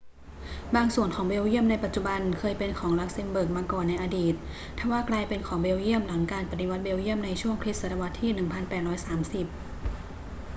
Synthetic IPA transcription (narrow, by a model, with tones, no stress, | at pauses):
baː˧ŋsu˨˩ənkʰɔː˩˦ŋbeː˧wji˥˩əmna˧jpa˨t̪̚t͡ɕu˨˩ba˧nkʰɤː˧jpe˧nkʰɔː˩˦ŋla˦˥k̚se˧mbɤː˨˩k̚maː˧kɔː˨˩nːa˧jʔaː˧diː˨˩t̪̚ | t̪ʰːɛː˨˩waː˥˩klaː˧jpe˧nkʰɔː˩˦ŋbeː˧wji˥˩əmla˩˦ŋkaː˧npa˨˧t̪i˧wa˦˥t̪̚beː˧wji˥˩əmna˧jt͡ɕʰu˥˩əŋkʰɾi˦˥sa˧ɾa˧wa˦˥t̪ʰːiː˥˩nɯ˨˩ŋpʰa˧npɛː˨˩t̪̚ɾɔː˦˥jsaː˩˦msi˨˩p̚